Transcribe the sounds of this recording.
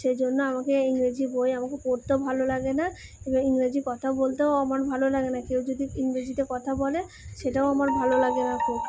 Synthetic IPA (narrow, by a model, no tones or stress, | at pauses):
ʃed͡ʑonːoamakeiŋɾed͡ʑibojamakepoɾt̪obʱalolaɡena | ebaiŋɾed͡ʑikɔt̪ʰaobolt̪eoamaɾbʱalolaɡenakewd͡ʒod̪ʱiiŋɾed͡ʑit̪ekɔt̪ʰabɔle | ʃeʈaoamaɾbʱalolaɡenakʰub